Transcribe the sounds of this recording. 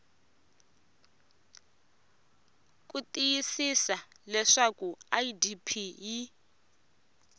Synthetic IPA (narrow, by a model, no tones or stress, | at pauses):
k̬ʼutʼijisisalɛʂakuajidipʰii